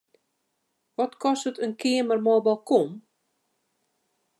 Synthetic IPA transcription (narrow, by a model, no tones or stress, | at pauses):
ʋɔtkɔstətənkʰɪəmərmɔbɔlˠkom